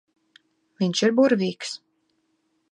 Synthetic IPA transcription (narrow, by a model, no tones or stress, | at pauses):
mʲiɲʲʃiɾbuɾviːks